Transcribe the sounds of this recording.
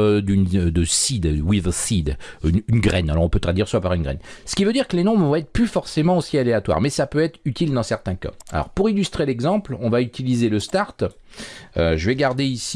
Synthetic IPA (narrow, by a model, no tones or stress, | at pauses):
d̪ynd̪əsid̪wivəsid̪ynynɡʁɛnalɔʁɔ̃pøt̪ʁad̪iʁswapaʁynɡʁɛ̰nsə̥kʲivød̪iʁkəlenɔ̃bʁvɔ̃ɛt̪χplyfɔʁsemɑ̃osialeat̪wa̰ʁmɛsapøɛt̪χyt̪ild̪ɑ̃sɛʁt̪ɛ̃ka̰a̰lɔ̰ʁpuʁilyst̪χelɛɡzɑ̃plɔ̃vayt̪ilizeləst̪aʁt̪ | øʒəvɛɡaʁd̪eisi